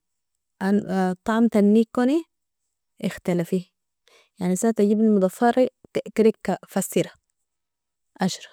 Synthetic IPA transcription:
ʔant̪ˤɑʕmt̪anːiːkːoni | ʔɪxt̪alafi | jaʕnisat̪aɟibnimud̪ˤɑfɑɾˤit̪iʔkɾikkːafasːiɾa | ʔaʃɾˤɑ̥

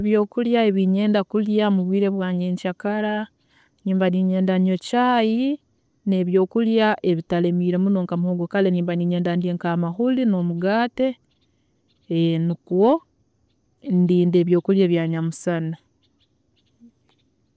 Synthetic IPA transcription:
eβjo̞ːkuljae̞βiɲe̞ːndakuljamuβwiːɾe̞βwaːɲe̞ɲcakaɾa | niːmbaniɲe̞ːndaɲot͡ʃaːji | ne̞βjo̞ːkuljaʔe̞βitale̞miːɾe̞munoːŋkamuhoɡokaleniːmbaniːɲe̞ːndandieŋkamahulino̞muɡaːte̞ | nikwo | ndiːnde̞ːβjo̞ːkuljeːβjaːɲamusana

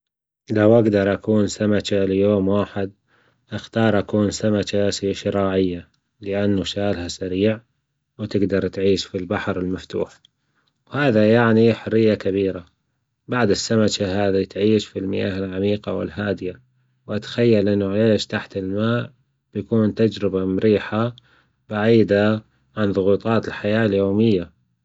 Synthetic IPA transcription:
lawʔaɡd̪ɑɾˤʔakuːnsamat͡ʃaljoːmwaːħɪd̪̚ | ʔɪxt̪ɑːɾˤʔakuːnsamat͡ʃasiʃɪɾaːʕɪjːa | lɪʔanːaʃaːlhasaɾiːʕ | wt̪ɪɡd̪ɑɾˤt̪ʕiːʃfilbaħɾɪlmaft̪ṵːħ | whaːðajaʕniħʊrːɪjːakaβiːɾa | baʕd̪ɪsːamat͡ʃaɦaːðit̪ʕiːʃfilmɪja̰ːɦɪlʕamiːqɑ̰wɪ̰lɦaːd̪ɪja | wʔat̪ḁxajːalʔɪnːʊʕaleːʃt̪aħt̪ɪlmaːʔ | b̥jakuːnt̪ad͡ʒɾɪbamɾiːħa | baʕiːd̪a | ʕanðˤʊɣuːt̪ˤɑːt̪ɪlħajaːljoːmɪjːa

